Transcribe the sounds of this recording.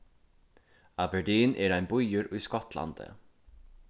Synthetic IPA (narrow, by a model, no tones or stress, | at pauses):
abɛɖiːnʔɛːɾajnbʊjəɾʊjskɔt̪la̰nd̪ə̰